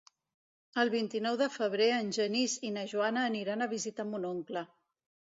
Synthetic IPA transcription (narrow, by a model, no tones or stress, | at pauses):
əlˠβint̪inɔwðəfəβ̞ɾeənʲʒənizinəʒuanəːniɾanəβizit̪amunoŋklə